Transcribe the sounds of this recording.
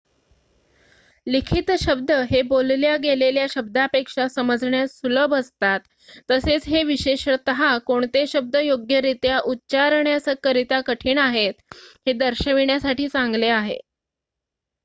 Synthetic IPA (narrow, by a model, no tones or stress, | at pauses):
likʰit̪ɕəb̚d̪əɦebolljaɡeleljaɕəb̚d̪ʱapekʂasəməd͡zɳjasuləbəst̪at̪ː | əset͡sɦeʋiɕeɕt̪əɦakoɳt̪eɕəb̚d̪əjoɡjəɾit̪jaʔutːt͡ɕaɾɳjasəkəɾit̪akəʈʰiːɳaɦet̪ɦed̪əɾɕəʋiɳjasaʈiːt͡saŋɡleaɦḛ